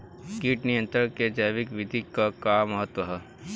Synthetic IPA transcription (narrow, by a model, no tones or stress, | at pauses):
kiːʈnijə̃nt̪ɾəɾked͡ʒajʋɪkʋɪd̪ʱikakaːmːɐɦət̪wəɦɛ